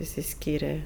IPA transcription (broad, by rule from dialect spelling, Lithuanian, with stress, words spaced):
ɪʃʲsʲɪˈsʲkʲiːrʲɛ